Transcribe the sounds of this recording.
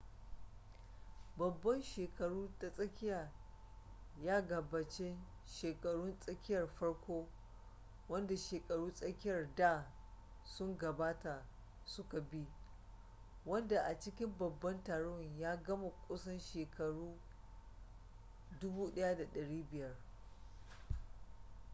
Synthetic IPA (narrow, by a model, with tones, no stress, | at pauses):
bɐ˨bːɐ˦nʃeː˨kɐ˨ɽuː˦ta˨sʼɐ˦kʲɪ˦jaː˨ | jaː˦ɡɐ˨baː˨t͡ʃe˦ | ʃeː˨kɐ˨ɽʊ˦nsʼɐ˦kʲɪ˦jɐ˨rɸɐ˦ɽkʷoː˦ | wɐ˦nda˨ʃeː˨kʼɐ˨ɽuː˦sʼɐ˦kʲɪ˦jɐ˨rdaː˦ | sʊ˦ŋɡɐ˨baː˦ta˨ | sʊ˦ka˨bi˦ | wɐ˦nda˨ʔa˨t͡ʃɪ˦kʲɪ˦mbɐ˨bːɐ˦ntaː˨ɽʊ˦˨ŋjaː˦ɡɐ˦ma˨kʷʼʊ˦sɐ˦nʃeː˨kɐ˨ɽuː˦ | dʊ˦buː˦ɗɐ˦ja˦da˨ɗɐ˨ɽiː˦bɪ˨jɐ˦r